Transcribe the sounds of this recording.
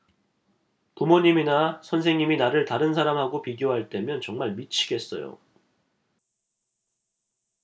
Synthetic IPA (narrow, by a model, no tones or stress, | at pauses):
pumoɲiminasʰʌnsʰe̞ŋɲiminaɾɯɭtaɾɯnsʰaɾamɦaɡopiɡjoɦaɭt͈e̞mjʌnt͡ɕʌŋmaɭmit͡ɕʰi̥ɡe̞s͈ʌjo̰